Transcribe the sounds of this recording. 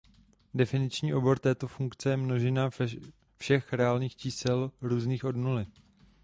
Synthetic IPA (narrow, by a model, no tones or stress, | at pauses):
dɛfɪnɪt͡ʃɲiːʔo̞bo̞ɾt̪ɛːt̪o̞fuŋkt͡sɛjɛmno̞ʒɛna | fʃɛxɾɛaːlɲiːxt͡ʃiːsɛlɾuːzniːxʔo̞dnulɪ